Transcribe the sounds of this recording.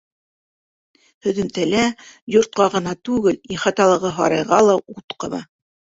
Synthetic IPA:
hɵ̆ðɘ̆mt̪ælæjŏɾt̪̚qɑʁɤ̆nɑt̪ʉɡɘliχɑt̪ɑlˠɤ̆ʁɤɦɑ̰ɾɑjʁɑlˠɑut̪qɤ̰̆mɑ̰

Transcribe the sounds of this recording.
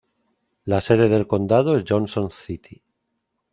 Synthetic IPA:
lase̞ðe̞ðe̞lko̞nd̪að̞oezʝonsõnθit̪i

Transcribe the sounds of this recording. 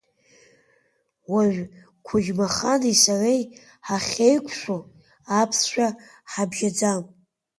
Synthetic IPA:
waʒʷᶣ | kʷʰʊʒmaχanisarej | ħaχʲe̞jkʷʰʃʷo | apʰsʃʷᶣa | ħabʒad͡zam

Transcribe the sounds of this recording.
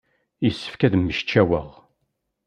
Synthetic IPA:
jəsːə̥fkæðmːəʃt͡ʃːæwəʁ

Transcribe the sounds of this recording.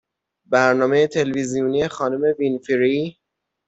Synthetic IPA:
bæɾnɒːme̞jet̪ʰe̞lvizijunije̞xɒːnome̞vinfiɾi

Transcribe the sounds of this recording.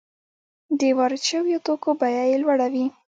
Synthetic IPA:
d̪ewaɾt͡ʃawjot̪okobajajelwaɽawi

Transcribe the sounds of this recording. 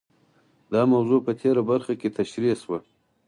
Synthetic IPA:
d̪ɑmawzopət̪ʰeɾabaɾxaket̪ʰaʃɾiswə

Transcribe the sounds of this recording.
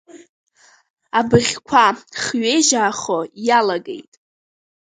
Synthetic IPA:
abɨʁʲkʷʰaχɥejʒaːχojalaɡḛjtʼ

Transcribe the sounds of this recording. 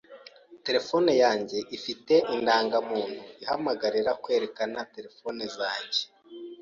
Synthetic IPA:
te̞ɾe̞fo̞nejaːɲɟe̞ʔifite̞ʔindaːŋɡamuːn̥huihamaɡaɾiɾakwe̞ːɾe̞kanate̞ɾe̞fo̞nezaːɲɟe̥

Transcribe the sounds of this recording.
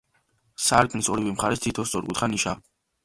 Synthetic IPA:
saɾkʼnsɔɾivimχaɾɛst̪ʰit̪ʰɔssʼɔɾkʼṵt̪χaniʃa

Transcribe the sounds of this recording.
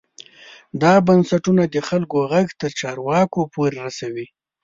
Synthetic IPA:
d̪ɑbansaʈunad̪əxalkoɣaɡt̪əɾt͡ʃɑɾwɑkopoɾeɾasawi

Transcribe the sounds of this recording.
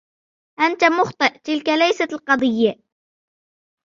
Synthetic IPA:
ʔant̪amʊxt̪ˤɨʔt̪ɪlkalajsat̪lqɑd̪ˤɪjːa

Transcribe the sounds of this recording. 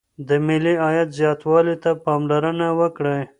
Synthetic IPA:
d̪əmɪliɑjat̪zjɑt̪wɑlit̪apɑmlaɾənawəkɽe

